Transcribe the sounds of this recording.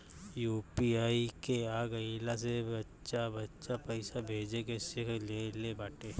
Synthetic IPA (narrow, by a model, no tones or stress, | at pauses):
juːpiaːikeaːɡɐilas̬ebɐtːʃabɐtːʃapɐɪsabʱeːd͡ʒekesɪkʰlelebaːʈeː